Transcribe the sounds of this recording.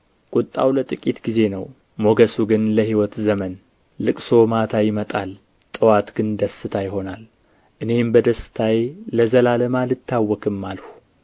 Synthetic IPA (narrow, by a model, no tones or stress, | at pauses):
kʼut̪ʼːa̰wlət̪ʼɨkʼit̪ɡize̞nəw | mo̞ɡəsuɡɨnləhiwɔt̪zəmənː | ɨkʼso̞mat̪ʰajɪmət̪ʼal | t̪ʼɨwat̪ɡɨnd̪əsːɨt̪ʰajɪho̞nal | ʔɨne̞mbəd̪əsːɨ̥t̪ʰajləzəlaləmalɨt̪ʰːawːɔkʰɨmːalhu